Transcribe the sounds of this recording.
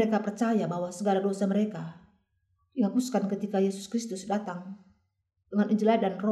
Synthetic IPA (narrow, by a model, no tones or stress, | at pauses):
ekapərt͡ʃajabaɦwasəɡaladosaməɾeka | diɦakuskankət̪ikajɛsu̥skɾist̪usdat̪aŋ | dəŋanʔid͡ʒiladanrɔ